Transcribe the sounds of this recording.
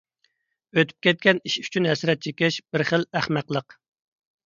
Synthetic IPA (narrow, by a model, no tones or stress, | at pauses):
øt̪ʰy̥p̚kʲɛt̪̚kʲɛniʃy̥t͡ʃʰynɦɛsɾɛt̪̚t͡ʃʰekʲɪʃb̥ɪɾχəlæχmæqlˠəq